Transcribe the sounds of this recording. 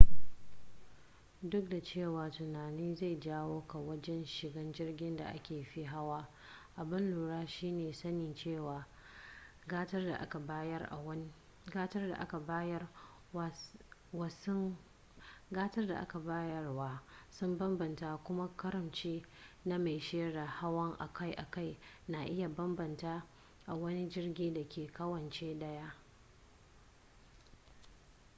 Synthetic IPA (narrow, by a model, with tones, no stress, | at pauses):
dʊ˦k̚da˨t͡ʃeː˦˨waː˨tʊ˨naː˨niː˦za˦˨jd͡ʒaː˦woː˦ka˨wɐ˦d͡ʒɛ˦nʃɪ˨ɡɐ˦nd͡ʒɪ˦rɡʲɪ˦nda̰˨ʔa̰˦kʲeː˨ɸi˦ɦa˦waː˦ | ʔa˨bɪ˦nluː˨ɽaː˦ʃiː˦neː˨sɐ˦nɪ˨nt͡ʃeː˦˨waː˨ | ɡa˦tɐ˦rda˨ʔa˦ka˨baː˦jɐ˦rʔa̰˨˦ | ɡaː˦tɐ˦rda̰˨ʔa˦ka˨ba˦jɐ˦ | wɐ˨s | ɡaː˦tɐ˦rda̰˨ʔa˦ka˨baː˦jɐ˦rwaː˦sʊ˦mbɐ˦mbɐ˨ntaː˦kʷʊ˦ma˦kɐ˦ɾɐ˨mt͡ʃeː˦na˦ma˨jʃeː˦ɽaː˨ha˦wɐ˦ŋʔa̰˨kʰa˦jʔa˨ka˦˨jna˨ʔɪ˦ja˨bɐ˦mbɐ˨ntaː˦ | ʔa˨wɐ˦ni˦d͡ʒɪ˦rɡʲiː˦da˨kʲeː˨kɐ˦wɐ˨nt͡ʃeː˦dɐ˦ja˦ʔ